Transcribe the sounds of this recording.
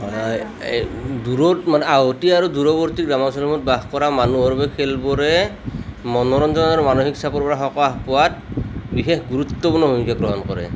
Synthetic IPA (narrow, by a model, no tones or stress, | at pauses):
ɦɔj | duɹɔmanɛaɦotiaɹuduɹɔbɔɹtikɹamɔsɔnɔmɔt̚baxkɔɹamanuɦɔɹbɛkʰelbɔɾɛ | mɔnɔɾɔnzɔnaumanoxiksapɔɹpɔɹaxɔkɔaxpɔwatbixexɡuɾut̪ːɔpuɾnɔbʱomikʰaɡɹɔɦɔnkɔɹɛ̰